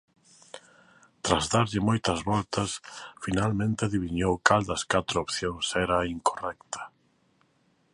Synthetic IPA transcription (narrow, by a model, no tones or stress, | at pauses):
t̪ɾazðaɾʎɪmojt̪ɐzβɔlt̪ɐsfinalmẽnt̪ɪaðiβ̞iɲowkald̪ɐskat̪ɾoopθjoŋsɛɾɐiŋkorɛkt̪ʰɐ̥